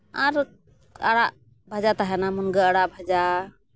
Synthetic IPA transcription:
aɾ | aɽaʔ | bʱad͡ʒat̪aɦɛnamunɡəəɽaʔbʱad͡ʒa

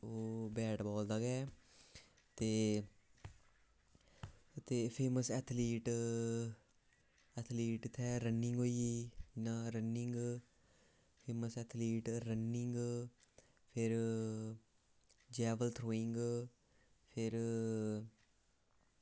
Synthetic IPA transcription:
oːbɛːɖbɔːld̪aːɡɛː | t̪eː | t̪eːpʰeːməsɛːt̪ʰliːʈ | ɛːt̪ʰliːʈt̪ʰɛːɾənːɪŋɡoːiiːɪnãːɾənɪŋɡ | pʰeːməsɛːt̪ʰliːʈɾənːɪŋɡ | pʰɪɾ | d͡ʒɛːʋəlt̪ʰɾoːɪ̃ŋɡ | pʰɪɾ

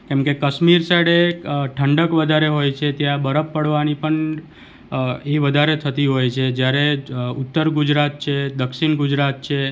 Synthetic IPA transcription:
kɛ̃mkekəʃmiɾsaɽeʈʰəɳɖəkʋəd̪ʱaɾeɦojt͡ʃʰet̪jãbəɾəpːəɽʋanipəɳ | eʋəd̪ʱaɾet̪ʰət̪iɦojt͡ʃʰed͡ʒjaɾeʊt̪ːəɾɡud͡ʒɾat̪̚t͡ʃʰed̪əkʃinɡud͡ʒɾat̪̚t͡ʃʰe

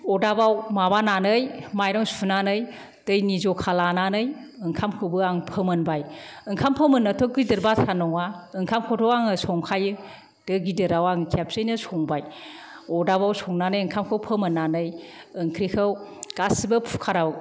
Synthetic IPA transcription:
ɔdabawmabananɯjmajɾɔŋsunanɯj | d̥ɯjnizɔkʰalananɯjɯŋkʰamkʰɯbɯaŋpʰɯmɯnbajɯŋkʰampʰɯmɯnːɯtʰɔɡidɯɾbasʰanɔŋaɯŋkʰamkʰɔtʰɔwaŋɯsɔŋkʰajɯ | d̥ɯɡidɯɾawaŋɯkʰap̚sɯjnɯsɔŋbajɔdabawsʰɔŋnanɯjɯŋkʰamkʰɯwpʰɯmɯnːanɯjɯŋkʰɾikʰɯwɡ̥asibɯpʰu̥kʰaɾaw

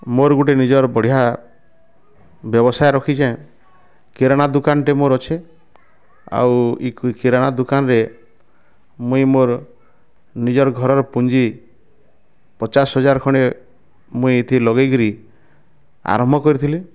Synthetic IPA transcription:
moɾɡuʈenid͡ʒɔɾbɔɽ̤ija | bjɔbɔsajɾɔkʰid͡ʒaẽ | keɾaɽ̃ad̪ukanʈemoɾɔt͡ʃʰe | a̰wikkeɾaɽ̃ad̪ukanɔɾe | mũimoɾ | nid͡ʒɔɾɔɡʱɔɾɔɾɔpund͡ʒi | pɔt͡ʃasɦɔd͡ʒaɾɔkʰɔɽ̃e | mũiet̪ʰilɔɡajɡɾi | a̰ɾɔmbʱɔkɔɾit̪ʰile

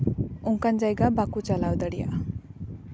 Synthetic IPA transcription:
uŋkand͡ʒajɡabakut͡ʃalawd̪əɽija̰

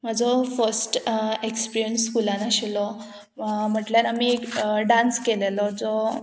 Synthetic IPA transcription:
mad͡zɔfəɾsʈekspiɾijənskulanaɕilɔ | m̤əʈlanamikɖanskelelɔd͡zɔ

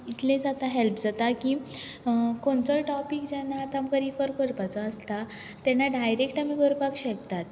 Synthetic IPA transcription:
it̪lẽd͡zat̪aɦɛlpd͡zat̪aki | koɳt͡sɔʈɔpikd͡ʑɛnːaːt̪amkəɾifəɾkəɾpat͡sɔəst̪a | t̪ɛnːaɖajɾekʈamiɡəɾpakɕəkt̪at̪

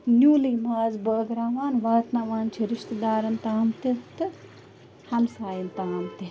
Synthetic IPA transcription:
nʲjuːliːmaːzbəːɡɾaːʋaːnʋaːt̪nɐʋaːnt͡ʃʰiɾɪʃt̪ɐd̪aːɾɐnt̪aːmt̪it̪ɨ | hɐmsaːjint̪aːmt̪i

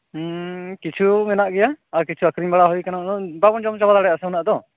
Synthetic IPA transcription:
kit͡ʃʰumɛnaʔɡɛjaaɾkit͡ʃʰuakʰɾiɲbaɽaɦujkananɔbabɔnd͡ʒɔmt͡ʃabad̪aɽɛjasɛunaʔd̪ɔ

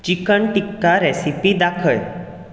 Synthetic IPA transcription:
t͡ɕikəɳʈikːaɾɛsipid̪akʰəɭ

